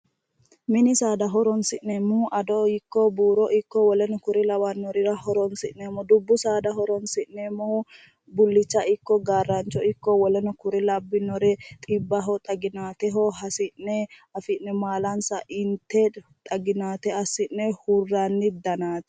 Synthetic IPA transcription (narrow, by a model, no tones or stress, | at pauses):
mɪnɪsaːd̪ɐɦɔɾɔnsɪʔnɛmːuʔɐd̪ɔɪkːɔbuːɾɔʔɪkːɔwɔlɛnɔkʊɾɪlɐwɐnːɔɾɪɾɐhɔɾɔnsɪʔnːɛmːɔd̪ʊbːʊsaːd̪ɐɦɔɾɔnsɪʔnːɛmːɔʊ | bʊlːɪt͡ʃːɐʔɪkːɔɡaːrːɐnt͡ʃːɔɪkːɔwɔlɛnɔkʊɾɪlɐbːɪnːɔɾɛt̪ʼɪbːɐɦɔt̪ʼɐɡɪnaːt̪ɛɦɔɦɐsɪnɛɐfɪʔnɛmaːlɐnsɐʔɪnt̪ːɛt̪ʼɐɡɪnaːt̪ɛɐsɪnːɛhurːɐnːɪd̪ɐnaːt̪ɛ̥